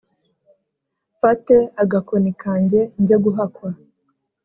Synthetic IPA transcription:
fateaɡakonikaːɲɟe̞ɲɟeɡuɦakwa

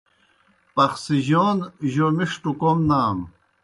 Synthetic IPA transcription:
pɐxsiʑoːnʑomiʂʈukomnaːm

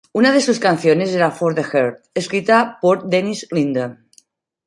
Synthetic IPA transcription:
unaðesuskanθjonezeɾafoɾðexeɾt̪̚eskɾit̪apoɾd̪enizlind̪on

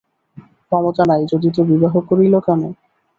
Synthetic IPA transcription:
kɔmot̪anajd͡ʑod̪it̪obibaɦokːoɾilokane

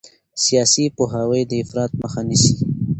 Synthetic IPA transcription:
sijɑsipoɦawəjd̪əɪfɾɑt̪̚məxanisi

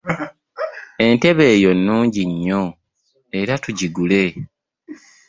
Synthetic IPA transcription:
e̞nte̞βe̞ːjo̞nːuːɲɟiɲːo̞ | e̞ɾatuɟiɡule̞

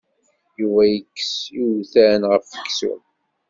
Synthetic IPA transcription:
juvæjəkːəsiwθænʁəfːəkːsṵm

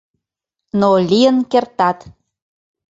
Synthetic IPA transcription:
nolʲijənkert̪ɑt̪

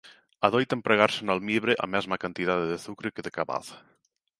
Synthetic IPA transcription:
aðojt̪empɾeɣ̞aɾsenalmiβɾeʔa̰mɛzmakant̪iðaðeðeθukɾekeðekaβa̰θ

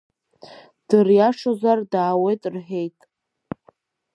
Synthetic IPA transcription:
d̥ɨrjaʂozardaːwe̞jtʼrħe̞jtʼ

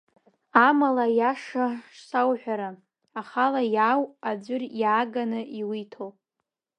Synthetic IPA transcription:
amalajaʂaʂsawħʷᶣaɾa | aχalajawad͡zʷʏrjaːɡanɨʔiwitʰowpʼ

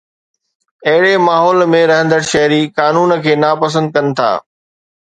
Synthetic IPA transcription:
ɐɦɪɽemaːɦɔːlmẽɾɐɦə̃nd̪əɽʃɐɦɾikaːnuːnkʰeːnaːpɐs̬ə̃nd̪̚kɐnɪ̆t̪ʰa̰ː

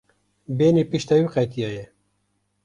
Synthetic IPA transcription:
beːnipiʃt̪ɛwiqɛt̪ijɑːjɛ

